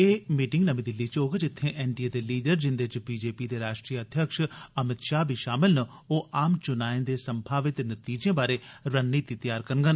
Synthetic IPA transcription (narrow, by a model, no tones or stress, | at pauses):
eːmiːʈɪŋɡnəmĩːd̪ɪlːiːt͡ʃoːɡd͡ʒɪt̪ʰːẽːʔɛːnɖieːd̪eːliːɖəɾd͡ʒɪnd̪et͡ʃbiːd͡ʒeːpiːd̪eːɾaːʃʈɾiːjəəd̪ʱjəkʃəmɪt̪ʃaːbʱiːʃaːmɪlnə | oːʔaːmt͡ʃʊnaːẽːd̪eːsəmbʱaːʋɪt̪ːnət̪iːd͡ʒãːbaːɾeːɾənːiːt̪iːt̪jaːɾkəɾənɡən